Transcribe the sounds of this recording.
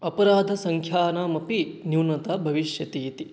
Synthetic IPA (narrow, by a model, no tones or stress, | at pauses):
ɐpɐɾaːd̪ʱɐsɐŋkʰjaːnaːmɐpinjuːnɐt̪abʱɐʋiʃjɐt̪iːt̪i